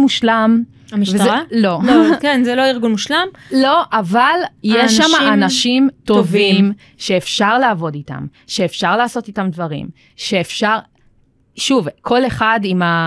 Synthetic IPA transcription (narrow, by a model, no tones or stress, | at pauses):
muʃlam | miʃvezalo̞okenzeloiʁɡunmuʃlamlo̞ʔavaljeʃːamaanaʃimtovim | ʃeːfʃaʁlaːvo̞dita̰m | ʃe̞ːfʃaʁlaːso̞titamdvaʁḭm | ʃe̞ːfʃaʁ | ʃuvkʰo̞le̞χadima